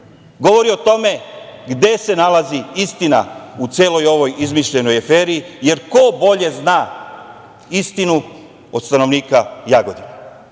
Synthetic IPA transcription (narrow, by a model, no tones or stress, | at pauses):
ɡo̞ʋo̞ɾio̞t̪o̞me̞ɡd̪e̞se̞nalaziist̪ina̰ut̪sjeːlo̞jo̞ʋo̞jizmiʃʎe̞no̞jafeːɾiːje̞ɾko̞bo̞ʎe̞znaː | ist̪inu | o̞d̪st̪ano̞ʋniːkajaɡo̞d̪ina